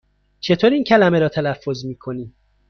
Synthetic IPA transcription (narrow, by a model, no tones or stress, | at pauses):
t͡ʃʰe̞t̪ʰoːɾiiːncʰælæmeɾɒːt̪ʰælæfːo̞zmiːkʰoniː